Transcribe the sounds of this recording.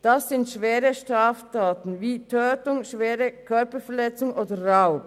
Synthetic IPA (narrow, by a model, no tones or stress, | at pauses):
d̥asɪntʃveːʁəʃtʁaːftaːtn̩viːtʰøːtʊŋʃveːʁəkʰœɐpəfɛɐlɛt͡sʊŋʔoːdəʁaʊ